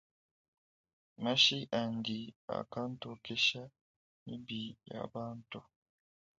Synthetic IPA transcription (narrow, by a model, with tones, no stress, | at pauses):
ma˦ʃi˦ʔa˨ŋɡi˨a̰˨ka˦n˦to˨ke˦ʃa˦ | mi˦bi˨ja̰˨βaː˦ntu˨